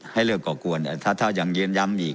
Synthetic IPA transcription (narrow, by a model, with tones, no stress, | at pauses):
ha˧˥˩jlɯː˧˩kːɔː˧˩ku˨˩ən˧˩t̪ʰaː˧˩t̪ʰa˧˩wja˨˩ŋjɯː˧ənja˧˥mʔiː˨˩k̚